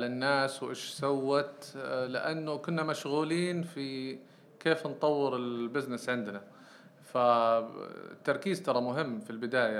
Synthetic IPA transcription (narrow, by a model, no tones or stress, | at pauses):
ʕalanːaːswʔeːʃsawːat̪lɪʔanːʊkʊnːamaʃɣuːliːnfi | keːfnt̪ˤɑwːɪɾɪlbɪznɪsʕɪnd̪na | fa̰ | t̪ːɑɾˤkiːzt̪ɑɾˤɑmʊɦɪmːfilbɪd̪aːja